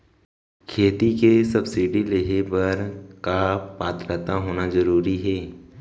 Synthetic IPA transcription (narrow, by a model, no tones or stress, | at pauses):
kʰeːt̪ikesɐbsiɖileɦebɐɾkapaːt̪ɾət̪aɦoːnazɐɾuːɾiɦɛː